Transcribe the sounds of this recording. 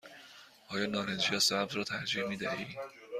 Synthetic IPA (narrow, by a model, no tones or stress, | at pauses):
ʔɒːjɒːnɒːɾed͡ʒijɒːsæbzrɒːt̪ʰæɾd͡ʒiːhmiːd̪æhiː